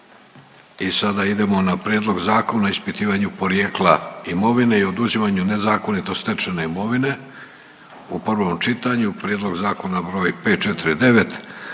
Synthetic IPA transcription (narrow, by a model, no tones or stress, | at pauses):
isad̪aid̪e̞mo̞napɾjed̪lˠoɡzaːko̞naispit̪iːʋaɲupo̞ɾjeːklˠaimo̞ʋine̞io̞d̪uzimaɲune̞zaːko̞nit̪o̞st̪et͡ʃene̞imo̞ʋine̞ | upr̩ʋo̞mt͡ʃit̪aɲupɾʲjeːd̪lˠo̞ɡzaːko̞nabɾo̞ːjpeːt̪̚t͡ʃet̪iɾid̪e̞ʋe̞t̪